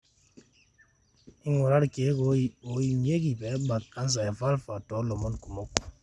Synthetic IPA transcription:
i˦ŋɔ˨ɾa˦ɾke˨˦ko˦˨o˨˦ji˨m˦je˦ki˨pɛ˨˦ba˨a˦n˦s̬a˨ja˨fa˦lfa˨tɔ˨˦lɔ˨mɔ˦nku˨mo˦k

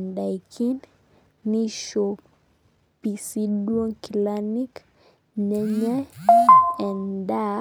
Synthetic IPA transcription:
nda˨jkʰi˦nː | i˦ʃo˨ | pi˨si˦dwɔ˦ŋki˨lani˦k | nɛ˦ɲa˦ | ɛ˨nda˦

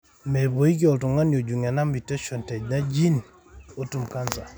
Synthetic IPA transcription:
me˨bo˨i˦k̬i˦ɔ˨ltu˨ŋa˦njo˨d͡ʒu˨ŋa˨na˦mbi˨tɛ˦ʃɔ˨ntɛ˨ɟna˦d͡ʒi˦n | o˦tu˨mka˦nza˨

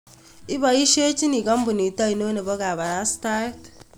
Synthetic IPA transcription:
i˦bɔ˨i˦ʃe˦t͡ʃi˦ni˨ɡɔ˦m˦bu˨ni˨tɔ˦i˨no˦ne˨bo˦ka˨βa˨ɾa˨˦sta˦t

